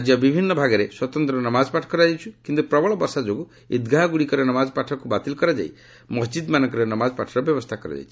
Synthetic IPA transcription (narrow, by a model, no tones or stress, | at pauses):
d͡ʒjɔbibʱinːɔbʱaɡɔɾeswɔt̪ɔnt̪ɾɔnɔmad͡ʒpaʈʰɔkɔɾad͡ʒajt͡ʃʰukint̪upɾɔbɔɭɔbɔɾsad͡ʒoɡu | id̪ɡʱaɦɡuɽikɔɾenɔmad͡ʒpaʈʰɔkubat̪ilkɔɾad͡ʒa̰j | mɔsd͡ʒid̪manɔŋkɔɾenɔmad͡ʒɔpaʈʰɔɾɔbjɔbɔst̪ʰakɔɾa̰d͡ʒa̰jt͡ʃʰi̥